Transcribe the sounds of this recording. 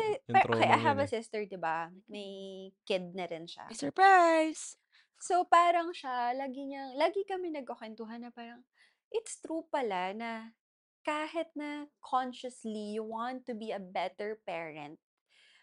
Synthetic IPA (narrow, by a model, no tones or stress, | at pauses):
ɛpɐokɐjʔajɦɐvɐsɪst̪ɛɹd̪ɪba | mɐjkɪd̪̚nɐɾɪnʃa̰sɔɹpɹajs | sopaːɾɐŋʃalaːɡɪɲɐŋlaːɡɪkɐmɛnɐɡ̚ʔoɐkwɛnt̪ʊɦɐnːɐpaːɾɐŋ | ʔɪt̪st̪ɾupɐlanɐ | kaːɦɪt̪̚nɐkʰɔnʃɐslijuwɑnt̪ːʊbiɐbɛt̪ɛɹpɛːɹɛ̰̃nt̪̚